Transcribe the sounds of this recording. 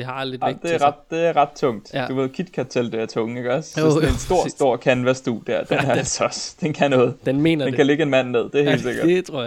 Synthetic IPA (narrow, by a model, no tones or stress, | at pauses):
eɑlɑd̥eæɐʁɑd̥̚d̥e̝æɐʁɑ̈d̥̚t͡sʰɔ̽ŋ̰d̥uʋe̝ð̞̰ˠkʰid̥kʰæt͡sʰeld̥eæɐt͡sʰɔ̽ŋəe̝ɡ̥ɒ̽ssensd̥o̝ɐ̰sd̥o̝ɐ̰kʰænʋæɐsd̥ud̥æɐd̥enæɐsʰɒsd̥enkʰænɔ̽ːð̩ˠd̥enme̝̰ːnɐd̥ekʰæle̝ɡ̥əe̝nmæn̰ne̝ð̞̰ˠd̥eæɐhe̝̰ːld̥se̝ɡ̥ɐd̥ʰoɐ̰